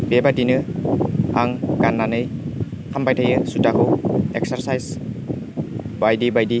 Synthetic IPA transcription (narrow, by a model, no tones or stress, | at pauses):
b̥ebadinɯ | a̰ŋɡanːanɯj | kʰampajtʰajɯsutakʰɯwek̚saɾsajs | bajdibajdi